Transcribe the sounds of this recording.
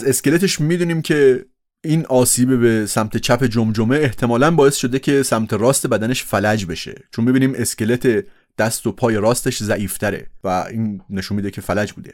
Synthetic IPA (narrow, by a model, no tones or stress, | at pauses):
ze̞ske̞le̞t̪eʃmiːd̪uːniːmcʰe̞ | iːnʔɒːsiːbebesæmt̪ʰe̞t͡ʃʰæpe̞d͡ʒomd͡ʒomʔeːht̪ʰe̞mɒːlænbɒːje̞st̪ʃo̞d̪ecʰe̞sæmt̪ʰeɾɒːst̪e̞bæd̪æne̞ʃfælæd͡ʒbe̞ʃe̞̰t͡ʃʰonmːibiːniːme̞skce̞le̞t̪ʰe̞ | d̪̥æst̪opʰɒːje̞ɾɒːst̪e̞ʃzæʔiːft̪ʰæɾe̞̰væiːnːe̞ʃunmiːd̪ecʰe̞fælæd͡ʒbuːd̪e̞̰